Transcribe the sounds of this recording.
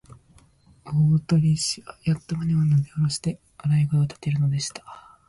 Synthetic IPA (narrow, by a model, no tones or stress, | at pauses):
oːt̪o̞ɾʲiɕiβajat̪ːomaɲʲimanoɡ̪eoɾoɕi̥t̪e̞ | aɾaiɡaot̪ḁt̪e̞ɾɯ̟no̞d̪e̞ɕi̥t̪ḁ